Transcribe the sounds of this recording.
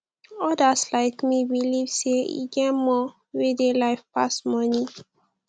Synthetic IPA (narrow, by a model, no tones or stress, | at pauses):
ɔdaslaɪkmibilivseḭɡɛmɔ | wedelaɪfpa̰smɔnĩ